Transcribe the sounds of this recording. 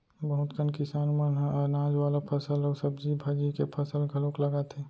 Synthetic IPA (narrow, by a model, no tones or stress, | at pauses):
bəɦʊt̪kənkɪsaːnməɦnaːd͡ʒwaːlapʰɐsəlɔːɾsəbd͡ʒibʱad͡ʒikepʰəsəlɡʱɐlõklɐɡat̪eː